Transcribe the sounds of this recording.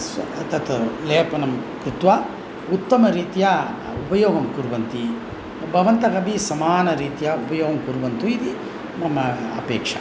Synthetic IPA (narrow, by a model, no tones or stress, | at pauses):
st̪ɐt̪leːpɐnɐmkɾut̪ʋa | ut̪ːɐmɐɾiːt̪ijɐ | upɐjoːɡɐmkuɾuʋɐnt̪i | bʱɐʋɐnt̪ɐkɐbʱisɐmaːnɐɾiːt̪ijɐupɐjoːɡɐmkuɾuʋɐnt̪uid̪i | nɐmːɐɐ̰peːkʂɐ